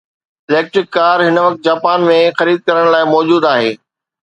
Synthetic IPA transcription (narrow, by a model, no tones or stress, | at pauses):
ɪlɛːk̚ʈɾɪkːaːɾɦɪnəʋɐk̚t̪̚d͡ʑaːpaːnmẽxɐɾiːd̪̚kɐɾəɽ̃laːɪmɔːd͡ʑuːd̪aːɦeː